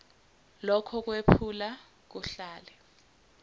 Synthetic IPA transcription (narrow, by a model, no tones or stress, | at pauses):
lɔkʰɔk̬wepʰula | k̬uɬaːlɛ